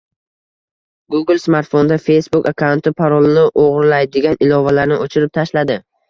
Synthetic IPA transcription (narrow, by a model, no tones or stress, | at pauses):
ɡuɡɪlˠsmaɾt̪fond̪afe̞jsbukakʰawnt̪ʰɪpʰaɾɒlˠɪnɪʔoʁɾlajd̪ɪɡʲanɪlɒvalaɾnɪʔot͡ʃʰɪɾɪp̚t̪ʰaʃlad̪ɪ